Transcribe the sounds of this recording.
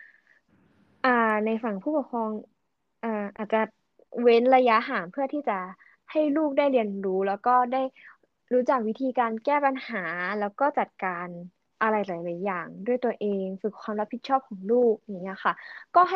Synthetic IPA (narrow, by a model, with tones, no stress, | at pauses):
ʔaː˧˩na˧jfa˨˩ŋpʰuː˥˩pɔ˨˩kʰɔː˧ŋ | ʔaː˧˩ʔaː˨˩t̪̚t͡ɕa˨˩ | we˦˥nɾa˧ja˦˥ɦaː˩˦mpʰɯ˥˩ɐt̪ʰiː˥˩t͡ɕa˨˩ | ha˥˩jluː˥˩k̚daː˥˩jli˧ənɾuː˦˥lɛː˦˥wkɔː˥˩daː˥˩j | ɾuː˦˥t͡ɕa˨˩k̚wi˦˥t̪ʰiː˧kaː˧nkɛː˥˩pa˧nhaː˩˦lɛː˦˥wkɔː˥˩t͡ɕa˨˩t̪̚kaː˧n | ʔa˧la˧jlaː˩˦jlaː˩˦jːaː˨˩ŋdu˥˩əjt̪u˧ɐʔeː˧ŋfɯ˨˩kʰwaː˧mɾa˦˥pʰi˨˩t̪̚t͡ɕʰɔː˥˩p̚kʰɔː˩˦ŋluː˥˩k̚a˧˨˩ŋːi˦˥ɐ˧xʰa˥˩kɔː˥˩ɦa˥˩